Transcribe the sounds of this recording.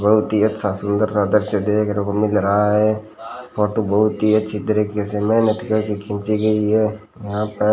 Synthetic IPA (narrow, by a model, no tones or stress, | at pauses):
bɐɦʊt̪iɐt̪sasʊ̃nd̪əɾsaːd̪əɾʃəd̪eːkəɾõkomɪlɾɐɦaɦɛː | fʰoːʈobɐɦʊt̪iɐtːʃʰid̪ɐɾikesemɛɦnət̪kɐɾkikʰɪ̃ːt͡ʃiɡɐiɦɛː | jɐɦãːpəɾ